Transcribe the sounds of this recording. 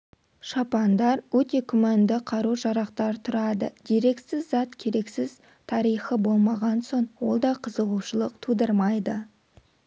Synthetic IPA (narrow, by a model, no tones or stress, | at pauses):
ʃɑpɑnd̪ɑɾwɵt̪e̞kʲʰʏmand̪ɪqʰɑɾuʒɑɾɑqt̪ɑɾt̪ʰʊɾɑd̪ə̰d̪eɾe̞ksɪzzɑt̪kʲʰe̞ɾe̞ksɪz̥ | t̪ʰɑɾijχəbo̞lˠmɑʁɑnso̞ɴwo̞lˠd̪ɑqʰəzəʁuʃəlˠəq̚t̪ʰud̪əɾmɑjd̪ə